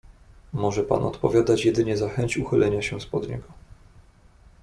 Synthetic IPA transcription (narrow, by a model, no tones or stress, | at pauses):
mɔʐɛpa̰nɔ̰t̪pɔvʲjad̪at͡ɕjɛd̪ɘɲɛzaxɛɲt͡ɕuxɘlʔɛɲaɕɛspɔd̪ɲɛ̰ɡɔ